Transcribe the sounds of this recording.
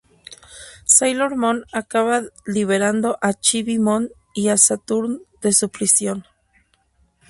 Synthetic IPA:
sajloɾmonakaβaliβeɾand̪oʔat͡ʃiβimon | iasat̪uɾnd̪esupɾisjon

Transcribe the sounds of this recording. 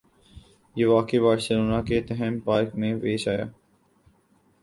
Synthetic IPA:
jeːʋaːkebaːɾsəloːnaket̪ɛɦəmpaːɾkmẽʋeːʃaːja̰ː

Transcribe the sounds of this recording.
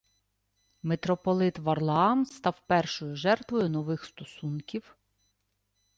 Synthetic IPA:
met̪ɾɔpɔlˠɪt̪ʋɐrlˠɐɑmst̪ɑwpɛrʃɔjʊʒɛrt̪ʋɔjʊnɔʋɪxst̪ɔsunkʲiw

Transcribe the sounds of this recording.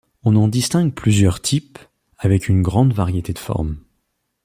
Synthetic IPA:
ɔ̃nɑ̃d̪ist̪ɛ̃ɡpʰlyzjœʁt̪ʰip | avɛkʰynɡʁɑ̃d̪vaʁjet̪ed̪əfɔ̰ʁm

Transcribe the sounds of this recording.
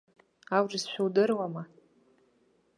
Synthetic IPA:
awrisʃʷᶣuwdɨrwama

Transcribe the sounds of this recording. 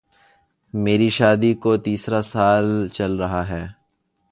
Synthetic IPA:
meːɾiʃaːd̪ikot̪iːsɾasaːlt͡ʃɐlɾɐɦaɦɛː

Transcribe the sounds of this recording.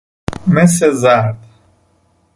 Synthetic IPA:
mes̬ezaɾd̪

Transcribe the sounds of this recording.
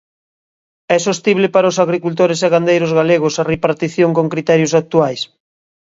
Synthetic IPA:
ɛsost̪iβ̞lɪpaɾɐosaɣɾikult̪̬oɾes̬eɣand̪ejɾozɣaleɣosarepaɾt̪iθjoŋkoŋkɾit̪ɛɾjosak̚t̪uajs

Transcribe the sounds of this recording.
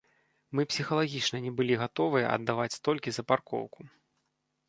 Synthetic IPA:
mɨpsʲixɐlˠaɣʲit͡ʂnɐnʲɛbɨlʲiɣat̪ɔvɨjɐ̰ʔɐ̰d̪ːavat͡sʲt̪ɔlʲkʲizɐparkɔ̰wku

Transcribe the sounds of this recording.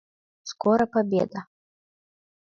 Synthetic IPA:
skɔɾɐpabʲḛd̪ɐ

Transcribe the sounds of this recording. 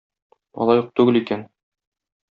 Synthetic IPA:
mɒ̰lˠɑjuq̚t̪ʉɡɘlikæn

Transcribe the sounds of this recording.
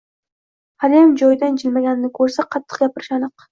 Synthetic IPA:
halemd͡ʒɒjd̪and͡ʒɪlmaɡʲanɪnɪkʰɵɾsaqʰɑt̪ʰːɨ̥qɡʲapʰɪɾɪʃanɨq

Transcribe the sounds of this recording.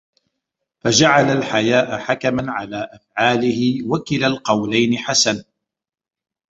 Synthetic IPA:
fad͡ʒaʕalalħajaːʔaħakamanʕalaːʔafʕaːlɪhɪwakɪlalqɑwlajnɪħasan

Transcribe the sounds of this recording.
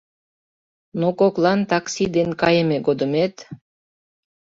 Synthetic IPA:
nokoklˠɑnt̪ɑksid̪enkɑjəmeɡod̪əmet̪

